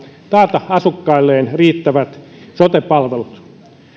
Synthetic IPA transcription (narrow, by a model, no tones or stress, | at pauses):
t̪ɑːt̪ɑhɑsukːɑilːeːnriːt̪ːæʋæt̪sot̪epɑlʋelut̪